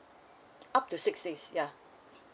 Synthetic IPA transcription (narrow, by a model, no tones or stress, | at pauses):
ʔap̚tusɪksdesja